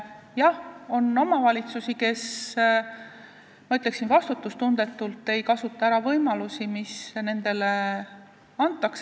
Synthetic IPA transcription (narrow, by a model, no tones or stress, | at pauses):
jɑho̞no̞mɑvɑlʲit̪susike̞s | mɑyt̪le̞ksinvɑst̪ut̪ːˑust̪und̪e̞t̪ːˑult̪ːe̞jkɑsut̪ˑːɑæɾɑvɤjmɑlusimisne̞nd̪̥e̞le | ɑnt̪ˑːɑks